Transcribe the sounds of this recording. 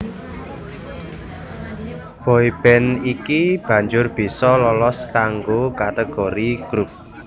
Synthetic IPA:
b̥ɔib̥ɛnikib̥ä̤ɲd͡ʒʊrb̥i̤sɔlɔlɔskaŋɡokat̪eɡ̥oɾiɡ̥ɾup̚

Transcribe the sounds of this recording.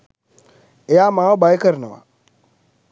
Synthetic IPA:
ejamaobaikəɾna̰wa̰

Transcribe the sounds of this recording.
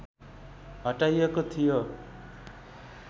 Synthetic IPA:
ɦʌʈajekot̪ʰijo

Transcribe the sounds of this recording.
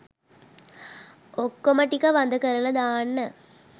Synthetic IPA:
ɔkːomɐʈːikːaʋɐnd̪ɐkɐɾɐlɐd̪aːnːɐ

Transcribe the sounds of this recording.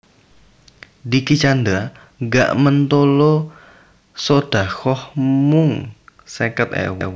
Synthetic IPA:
dikit͡ʃand̪ɾa | ŋɡa̰ʔmənt̪olo | sod̥a̤xɔhmʊŋsəkət̪̚ɛ̰wɛ̰w

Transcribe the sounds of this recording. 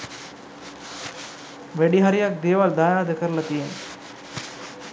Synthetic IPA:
ʋeɽiɦɐɾijak̚d̪eːʋaːld̪aːjaːd̪ɐkɐɾlɐt̪ijen

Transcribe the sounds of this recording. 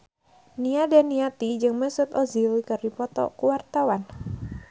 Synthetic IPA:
niadanːiat̪id͡ʒɨŋməsʊt̪ɔzilikərdipɔt̪ɔ̰kuwart̪awan

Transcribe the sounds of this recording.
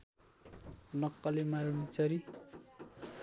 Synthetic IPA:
lʌkːʌlemaɾunit͡sʰʌɾi

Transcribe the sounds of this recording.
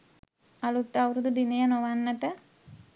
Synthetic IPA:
ɐlut̪ːɐwɾud̪ud̪inejɐnoʋanːɐt̪ə

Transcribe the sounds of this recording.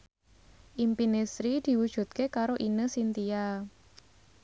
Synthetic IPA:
ʔimpinesɾid̪̥i̤wud̥ʒ̥ṳt̪̚kekaɾoʔinəsint̪ia

